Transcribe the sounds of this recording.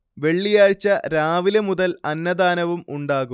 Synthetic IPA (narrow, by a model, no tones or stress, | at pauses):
ʋe̞ɭːijaːɻit͡ɕːɐɾaːʋilɐmuðɐlɐnːɐðaːnɐʋumuɳɖaːɣu